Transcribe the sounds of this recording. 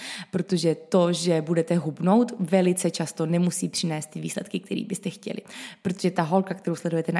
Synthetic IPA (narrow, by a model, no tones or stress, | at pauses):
pɾot̪o̞ʒɛt̪o̞ʒɛbudɛt̪ɛɦubno̞wt̪vɛlɪt͡sɛt͡ʃast̪o̞nɛmusiːpr̥ɪnɛːst̪ːɪviːslɛt̪kɪk̚t̪ʰɛɾḭːbɪst̪ɛxcɛ̰lɪ̰pɾot̪oʒɛt̪aɦo̞lkak̚t̪ɛɾowslɛdujɛt̪ɛn